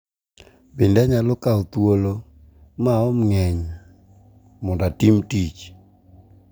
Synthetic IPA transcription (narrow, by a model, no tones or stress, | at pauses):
bindɛɲalɔkaot̪wolo | maɔmŋɛɲ | mɔndatimtit͡ʃ